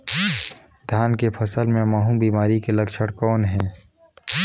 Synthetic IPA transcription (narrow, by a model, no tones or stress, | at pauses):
d̪ʱjaːnkepʰɐsəlmẽmaːɦũbiːmaːɾikelɐkʃəɽkɔːnɦɛ̃ː